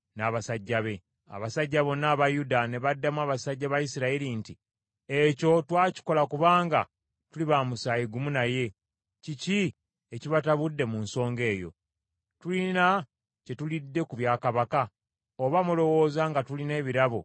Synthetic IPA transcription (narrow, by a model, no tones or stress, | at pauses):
naːβasaɟːaβe̞ | a̰βasaɟːaβo̞nːaːβajudane̞βadːamwaːβasaɟːaβajisiɾaelinti | eco̞twaːci̥ko̞lakuβaːŋɡa̰ | tuliβaːmusaːjiɡumunaje̞ | cici | eciβataβudːe̞munso̞ːŋɡe̞ːjo̞̰ | tulina | ce̞tulidːe̞kuβjaːkaβaka | oβamulo̞wo̞ːzaŋɡatuline̞ːβiɾaβo̰